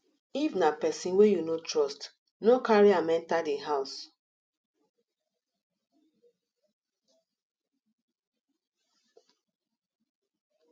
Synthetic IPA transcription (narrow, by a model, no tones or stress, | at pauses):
ifnapɛsĩnwejunotɹɔst | nokaɹiamɛ̃ntadeɦaʊs